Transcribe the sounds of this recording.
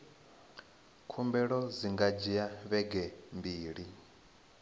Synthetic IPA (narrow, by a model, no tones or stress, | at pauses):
kʰumbɛɺɔziŋɡad͡ʒiaβɛɡɛmbiːɺi